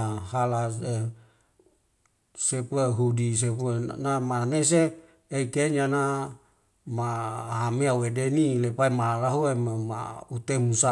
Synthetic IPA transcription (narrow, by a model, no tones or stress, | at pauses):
ahalase | sepueɦudis̬epenamanes̬e | eikeɲana | maɦameawedenilepaimaaɾaɦuemama̰ut̪emusa